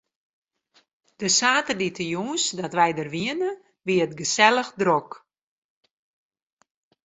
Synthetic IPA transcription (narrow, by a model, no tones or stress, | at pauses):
d̥əsaːtərditʰəjuːnsdɔtʋɛjdərʋiənə | ʋiətɡəsɛlˠəxdrok